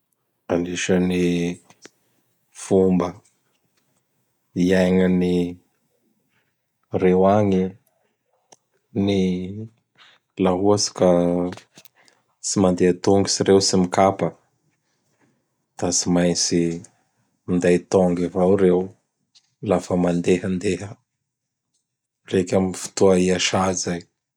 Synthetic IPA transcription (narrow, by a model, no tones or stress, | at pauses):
aniʃəni | fumbə | iajŋəni | rewaŋi | ni | laɦuasi̥ka | simand̪eat̪uŋɡisiɾewsimikapə | d̪̥asimajnt͡si | mind̪ajt̪oŋɡevawɾew | lafəmand̪eɦənd̪eɦə | rekʲaminfu̥t̪uaiaʃazaj